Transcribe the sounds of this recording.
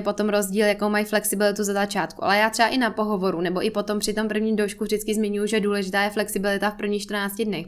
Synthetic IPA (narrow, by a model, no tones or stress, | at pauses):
po̞t̪o̞mɾo̞zɟiːljako̞wmajflɛksɪbɪlɪt̪uzazat͡ʃaːt̪kṵʔa̰lɛjaːt̪r̥ɛaʔɪnapo̞ɦo̞vo̞ɾunɛbo̞ʔɪpo̞t̪o̞mpr̥ɪt̪o̞mpr̩vɲiːmdowʃkuvrdɪt͡skɪzmɪɲujuʒɛduːlɛʒɪt̪aːjɛflɛksɪbɪlɪt̪afpr̩vɲiːxʃt̪rnaːt͡scɪdnɛx